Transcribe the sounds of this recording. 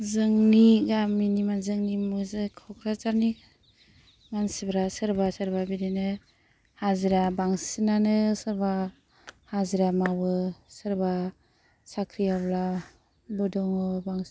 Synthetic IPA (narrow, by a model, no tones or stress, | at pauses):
zɯŋniɡamːinimanzɯŋnimuzɯkʰɔkʰɾat͡ʃaɾni | mansibɾasɯɾbasɯɾbabiɾinɯ | haziɾabaŋsinanɯsɯɾba | haziɾamabɯsɯɾba | sakʰɾijabla | bɔdɔŋɔbaŋs